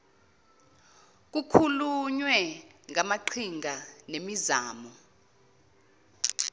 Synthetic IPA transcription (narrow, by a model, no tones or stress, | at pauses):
k̬ukʰuluɲwɛŋamaǃʰiŋʱanemizaːmɔ